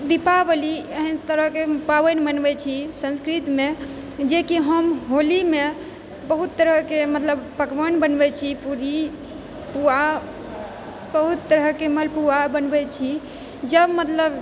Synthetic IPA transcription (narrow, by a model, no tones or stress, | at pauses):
d̪ipabəliəɦint̪əɾəɦkepaʋənbənbɛt͡ʃʰisə̃nskɾit̪me | d͡ʒekiɦəmɦolime | bəɦut̪ːəɾəkemət̪ləbpəkbənbənbɛt͡ʃʰipuɾi | pua | bəɦut̪ːəɾəkeməlpuabənbɛt͡ʃʰi | d͡ʒəbmət̪ləb